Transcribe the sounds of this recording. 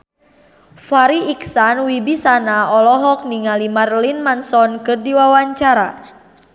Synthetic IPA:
faɾiiksanwibisanaɔlɔɦɔk̚niŋalimarlinmansɔnkɨrdiwawaɲt͡ʃaɾa

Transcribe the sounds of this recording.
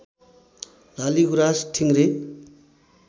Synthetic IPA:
laliɡuɾasʈʰiŋɾe

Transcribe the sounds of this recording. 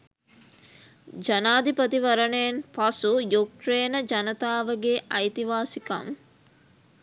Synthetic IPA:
d͡ʒɐnaːd̪ipɐt̪iʋɐɾəɳejɐnpɐsujukɾeːnəd͡ʒɐnət̪aːʋəɡeːʔɐjt̪iʋaːsikɐ̰ŋ

